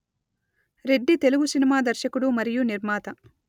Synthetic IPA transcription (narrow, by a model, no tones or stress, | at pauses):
ɾe̞ɖːit̪e̞luɡusinimaːd̪ɐɾʃɐkuɽumɐɾijuniɾmaːt̪ɐ